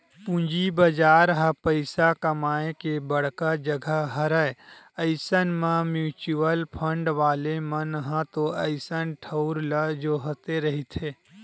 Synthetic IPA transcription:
pũɲd͡ʒibəd͡ʒaːɾɦəpəɪsakəmaːekebəɽ̤kad͡ʒəɡʱəɦəɾəe | əɪsənmãmjuːt͡ʃuəlpʰə̃ɳɖʋaːlemənɦãt̪oəɪsənʈʰəʊɾləd͡ʒoːɦot̪eɾɐɦit̪ʰeː

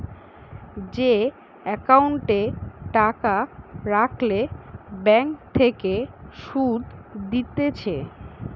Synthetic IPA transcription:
d͡ʑe | ɛkauɳʈeʈakaɾaklebɛŋkt̪ʰːekeʃud̪d̪it̪et͡ɕʰe

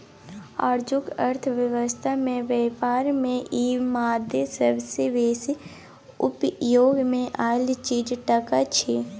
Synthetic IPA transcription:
a̰ːɾd͡ʒʊkəɾt̪ʰʋjəʋəst̪ʰamẽʋeːpaːɾmẽʔiːmaːd̪esəbseʋeːsi | ʊ̰pjoːɡmẽʔaːlt͡ʃiːd͡ʒʈəkat͡ʃʰi

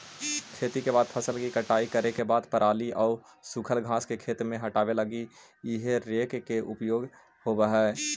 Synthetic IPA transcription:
kʰeːt̪ikebaːd̪̚pʰəsəlkikəʈaːikəɾekebaːd̪pəɾʔaːliʔɔːɾ | sʊkʰəlɡʱaːskekʰeːt̪mẽɦɐʈaːʋeləɡi | ɪɦeɾeːkkeʔʊpjoːɡ | hobəɦɛː

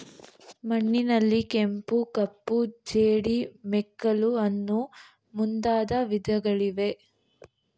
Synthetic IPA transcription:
mɐɳːinɐlːikempukɐpːud͡ʒeːɽimɛkːɐluɐnːu | mund̪aːd̪ɐʋid̪ʱɐɡɐɭiʋe̞

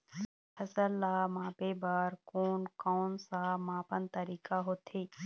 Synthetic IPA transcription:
hʰɐsəlːaːmãːpeːbaːɾkoːnkɔːnsaːmãːpənt̪əɾiːkaɦoːt̪ʰeː

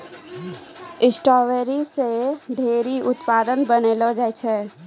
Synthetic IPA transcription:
ɪsʈɔːʋeɾiseɖʱeːɾiʊt̪paːd̪ənbənelod͡ʒaːjt͡ʃʰɛː

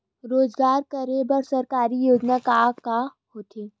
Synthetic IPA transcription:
ɾoːd͡ʒɡaːɾkɐɾebɐɾsɐɾkaːɾijoːd͡ʒnakaːkahoːt̪ʰeː

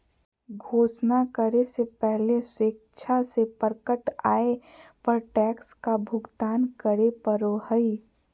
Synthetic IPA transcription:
ɡʱoːsnakəɾesepɛɦleseːk̚t͡ʃʰasepəɾkəʈaːepəɾʈɛːkskabʱʊɡt̪aːnkəɾepəɾohəi

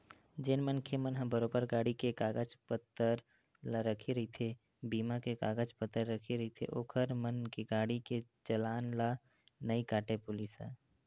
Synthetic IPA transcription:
d͡ʒenmənkʰemənɦə̃bəɾoːbəɾɡaːɽikekaːɡəd͡ʒpət̪ːəɾ | laɾəkʰeɾɐɦit̪ʰe | biːmakekaːɡəd͡ʒpət̪ːəɾːəkʰeɾɐɦit̪ʰḛʔoːkʰəɾmənkeɡaːɽiket͡ʃəlaːnla | nəikaːʈepʊlisɛ̰ː

